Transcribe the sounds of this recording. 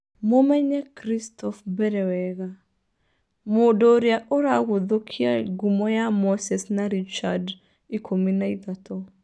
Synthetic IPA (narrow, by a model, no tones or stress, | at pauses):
momɛɲɛkɾistɔfbɛɾɛwɛɣa | modɔɾjaʔoɾaɣoðokʰia̰ɡumɔjamɔsɛsnaɾit͡ʃad | ikʰominaiðatʰɔ